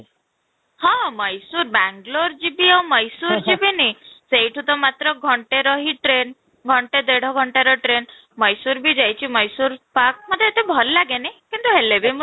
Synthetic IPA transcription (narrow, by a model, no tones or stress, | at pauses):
hɔ̃mɔjsuɾbaŋɡloɾd͡ʒibiawmɔjsuɾd͡ʒibiniseiʈʰut̪ɔmat̪ɾɔɡʱɔɳʈeɾɔɦiʈɾen | ɡʱɔɳʈed̪eɽ̤ʱɔɡʱɔɳʈaɾɔʈɾen | mɔjsuɾbid͡ʒajt͡ʃʰimɔjsuɾpak̚mɔd̪ʱjeet̪ebʱɔllaɡenekint̪uɦelebem